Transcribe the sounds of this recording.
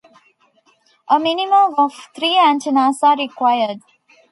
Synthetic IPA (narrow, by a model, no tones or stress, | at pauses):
ʔəminimə̃mɔʋt̪ʰɾiːæ̃ntinaːsaːɾikwaɪəɾɖ